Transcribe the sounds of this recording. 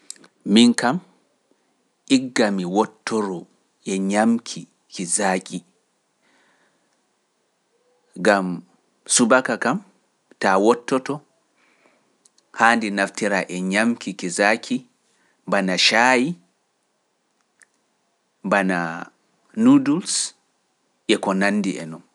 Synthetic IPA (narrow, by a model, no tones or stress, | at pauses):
minkam | ʔiɡːamiwɔtːɔɾɔ | ʔɛɲamkʰi | kizaːkʼi | ɡam | subakakam | tawɔtːɔtɔ | haːndinaftiɾaʔɛɲamkikizaːkʰi | banaʃaːji | bana̰ | nuduls | ʔɛkɔnanːdiʔɛ̰nɔn